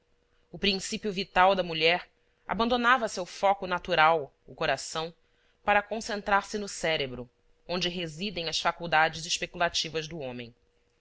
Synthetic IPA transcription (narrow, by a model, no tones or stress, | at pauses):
ʊpɾĩŋsipjuvit̪awd̪ɐmuʎɛɾ | a̰bɐ̃nd̪onavɐsewfɔkʊnat̪uɾaw | ʊkoɾasɐ̃w̃ | paɾɐkõsẽnt̪ɾaɾsɪnʊsɛɾebɾʊ | õnd͡ʒɪɦezid̪ẽj̃ɐsfakuwd̪ad͡ʒɪziʃpekulat͡ʃivɐzd̪ʊõmẽj̃